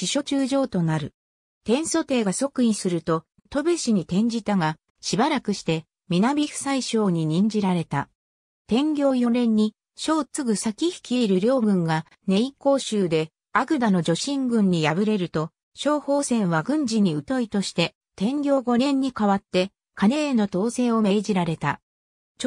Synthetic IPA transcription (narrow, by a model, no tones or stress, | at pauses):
ɕiɕo̞t͡ɕɨːʑo̞ːt̪o̞naɾɯ̟ | t̪ẽ̞ɰ̃so̞t̪e̞ːɡaso̞kɯ̟ĩsɨɾɯ̟t̪o̞ | t̪o̞be̞ɕiɲ̟it̪ẽ̞ɲ̟d͡ʑit̪aɡa | ɕibaɾakɯ̟ɕi̥t̪e̞ | mʲinabʲiɸɯ̟̥saiɕo̞ːɲ̟iɲ̟ĩɲd͡ʑiɾaɾe̞t̪a | t̪ẽ̞ŋɡʲo̞ːjo̞ɾẽ̞ɲ̟ːi | ɕo̞ːt͡sɨɡɯ̟sakʲiçi̥kʲiːɾɯ̟ɾʲo̞ːɡɯ̟̃ŋɡa | ne̞iko̞ːɕɨːd̪e̞ | aɡɯ̟d̪ano̞d͡ʑo̞ɕĩŋɡɯ̟̃ɲ̟ːijaβɯ̟ɾe̞ɾɯ̟t̪o̞ | ɕo̞ːho̞ːsẽ̞ɰ̃βaɡɯ̟̃ɲ̟d͡ʑiɲ̟iɯ̟t̪o̞it̪o̞ɕi̥t̪e̞ | t̪ẽ̞ŋɡʲo̞ːɡo̞ɾẽ̞ɲ̟ːikaβat̪ːe̞ | kane̞eno̞t̪o̞ːse̞ːo̞me̞ːd͡ʑiɾaɾe̞t̪a